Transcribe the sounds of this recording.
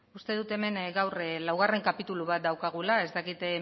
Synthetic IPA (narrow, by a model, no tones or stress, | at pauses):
ust̪e̞ðut̪e̞me̞nɡawrlawɣareŋkapit̪uluβ̞at̪̚d̪awkaɣ̞ulae̞zt̪akit̪